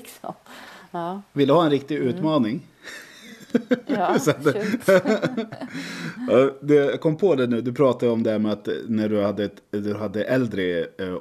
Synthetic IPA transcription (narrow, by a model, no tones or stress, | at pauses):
vɪlːəhɑːɛnɾɪk̚t̪ɪʉ̟ːt̪mɑːnɪŋ | sat̪ː | d̪ɛjkʰɔmːpʰɔd̪æɳʉ̟ːd̪ɵpʰɾɑːt̪ad̪əɔmd̪ɛhæɾmɛat̪næɖɵhad̪ːəɛt̪d̪ɵɦad̪ːəʔɛld̪ɾə